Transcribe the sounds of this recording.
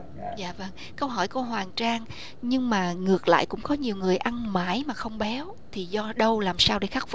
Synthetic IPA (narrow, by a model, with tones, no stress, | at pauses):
za̰ː˧˨və˧ŋ | kə˧wɦɔ˧˩jkə˧wɦwaː˨˩ŋt͡ɕaː˧ŋ | ɲɨ˧ŋmaː˨˩ŋɨ˨˩ək̚la̰ː˧˨jkʊ̰˧˥ŋ͡mkɔ˨˦ɲi˨˩əwŋɨ˨˩əjʔa˧nmaː˧˩jmaː˨˩xə˧wŋ͡mɓɛ˨˦w | t̪ʰi˨˩zɔ˧ɗə˧wlaː˨˩msaː˧wɗḛ˧˦xa˦˥k̚f